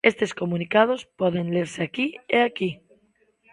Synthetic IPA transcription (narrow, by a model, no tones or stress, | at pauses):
e̞st̪e̞sko̞mũnikað̞o̞spweðe̞nleɾseakieaki